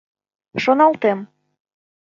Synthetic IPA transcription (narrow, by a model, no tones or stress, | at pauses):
ʃonɑlt̪em